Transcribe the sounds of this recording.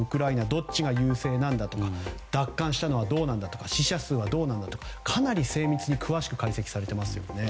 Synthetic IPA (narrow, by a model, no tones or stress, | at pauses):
ɯ̟kɯ̟ɾainad̪o̞t͡ɕiɡajɯ̟ːse̞ːnãnd̪at̪o̞kad̪̥akːãɰ̃ɕi̥t̪ano̞βad̪o̞ːnãnd̪at̪o̞̥kaɕiɕasɨːβad̪o̞ːnãnd̪at̪o̞kakʰanaɾʲise̞ːmʲit͡sɨɲ̟ikʰɯ̟βaɕi̥kɯ̟kaise̞kʲi̥saɾe̞t̪e̞masɨjo̞̰ne̞